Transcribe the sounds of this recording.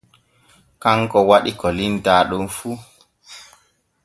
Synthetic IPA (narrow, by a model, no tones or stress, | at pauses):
kaŋkɔwaɗikɔlintaːɗunfu